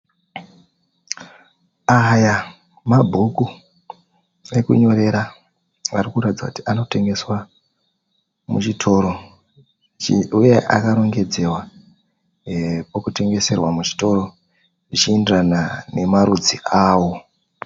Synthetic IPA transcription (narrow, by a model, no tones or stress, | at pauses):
aja | mabʱuku | e̞kuɲo̞ɾe̞ɾa | ʋarikuɾatid͡za̰ku̥ti̥ʔano̞te̞ŋɡe̞swa | mut͡ʃitʰo̞ɾo̞ | uje̞ʔa̰kaɾo̞ŋɡe̞d͡ze̞wa | pokute̞ŋɡe̞se̞rwamut͡ʃi̥to̞ro̞ | ʐit͡ʃiendiranane̞maɾud͡ziʔaːwo̞